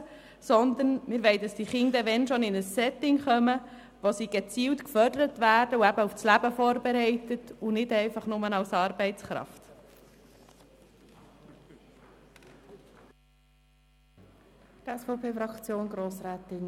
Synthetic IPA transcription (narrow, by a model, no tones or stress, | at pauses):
sɔnd̪ənmɪɾʋɛɪdɑsd̥iχɪnd̪əʋɛnʃɔnɪnəsːɛt̪ɪŋχœmə | ʋosiːɡ̥et͡siːltkfœɾdəɾətʋæːɾdəuæbəufslæbəfɔːɾbɛɾɛɪtətunɪdɛɪfɑχnʊmənɑlsɑːɾbɛɪt͡sχɾɑ̰ft | tɛsfɔʊpʰeːfɾɑkt͡sjoːnɡɾoːsɾæːt̪ɪn